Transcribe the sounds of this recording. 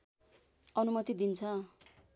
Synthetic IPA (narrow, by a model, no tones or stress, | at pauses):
ʌnumʌt̪id̪int͡sʰʌ